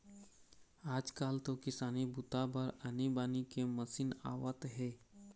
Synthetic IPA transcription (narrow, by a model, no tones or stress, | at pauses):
ad͡ʒkalt̪okisanibut̪abʱəɾənibanikeməsiːna̰ʋət̪ɦe